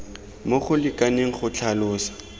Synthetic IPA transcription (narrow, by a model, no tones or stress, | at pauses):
moχʊlɪkʼaneŋ̩χʊt͡ɬʰalʊːsḁ